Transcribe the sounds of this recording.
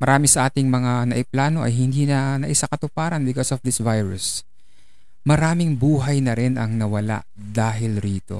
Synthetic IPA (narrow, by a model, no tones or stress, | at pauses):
mɐɾaːmɪsɐʔaːt̪ɪŋmɐŋanɐ̰ʔɪplaːnoʔɐ̰jɦɪnd̪iːnɐnɐʔɪsakɐt̪ʊpaːɾɐnbɪkosɔfd̪ɪsvajɹʊs | mɐɾaːmɪŋbuːɦɐjnɐɾɛnʔɐ̰ŋnɐwɐla̰ʔ | d̪aːɦɪlɾiːt̪o̞̰